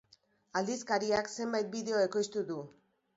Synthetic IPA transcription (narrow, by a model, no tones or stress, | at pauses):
ald̪iskaɾiakse̞mbajt̪̚biðe̞o̞e̞ko̞jst̪uðu